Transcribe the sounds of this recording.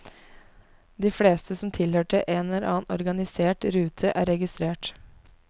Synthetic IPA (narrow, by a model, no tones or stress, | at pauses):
d̪iːfɽeːst̪ʰəsɔmt̪ʰɪlhøːʈəʔeːnɛlɛɾʔɑːnɔɾɡɑnɪseːʈɾʉːt̪ʰəʔæ̰ːɾɛɡɪst̪ɾeːʈ